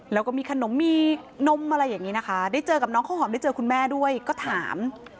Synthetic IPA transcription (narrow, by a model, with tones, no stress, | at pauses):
lɛː˦˥wkɔː˥˩miː˧kʰa˧no˩˦mːiː˧ | no˧˥mʔa˧ɾa˧jːaː˨˩ŋiː˦˥na˦˥kʰa˦˥daː˥˩jt͡ɕɤː˧ka˨˩p̚nɔː˦˥ŋkʰa˥˩hɦɔː˩˦mda˥˩t͡ɕɤː˧kʰu˧nmɛː˥˩du˥˩əjkɔː˥˩t̪ʰaː˩˦m